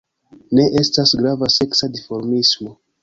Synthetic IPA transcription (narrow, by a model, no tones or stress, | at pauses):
ne̞ʔe̞stasɡɾavase̞ksadifo̞ɾmismo̞